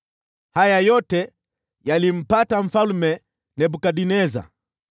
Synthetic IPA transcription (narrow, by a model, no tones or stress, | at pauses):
hajajɔtɛ | jalim̩pataɱ̩falmɛ | nɛbukaɗinɛza̰